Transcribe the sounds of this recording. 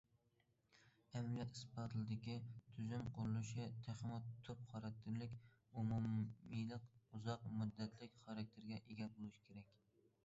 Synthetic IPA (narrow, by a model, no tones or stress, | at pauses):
ɛmljɛt̪ɨspɑt̪ʰɨlˠɨd̪ɪkʲit̪ʰyzymqʰʊɾɨlˠuʃɪt̪ʰæχmɑt̪ʰːʊpχɑɾɑk̚t̪ʰːɪɾlɪkʲ | umumijlˠɨquzɑqmud̪ːɛt̪ʰlɪkʲχɑɾɑk̚ʲt̪ʰɪɾɡʲɛʔeɡʲɛbolˠuʃi̥kʲʰeɾɛkʲ